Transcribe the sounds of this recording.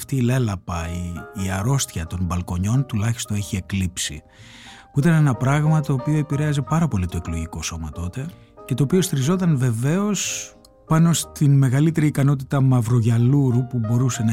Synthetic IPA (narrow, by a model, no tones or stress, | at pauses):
ft̪iːle̞lɐpɐiːɐɾo̞st̪çɐt̪o̞nbɐlko̞ɲo̞nt̪ulɐçi̥st̪oe̞çie̞klipsḭ | puit̪ɐnenɐpɾɐɣmɐt̪o̞ːpio̞e̞piɾe̞ɐze̞pɐɾɐpo̞lit̪o̞eklo̞ʝiko̞so̞mɐt̪o̞t̪e̞ | cet̪o̞ːpio̞st̪iɾizo̞t̪ɐnve̞ve̞o̞s | pɐno̞st̪inme̞ɣɐlit̪e̞ɾiːkɐno̞t̪it̪ɐmɐvɾo̞ʝɐluɾupubo̞ɾuse̞nɐ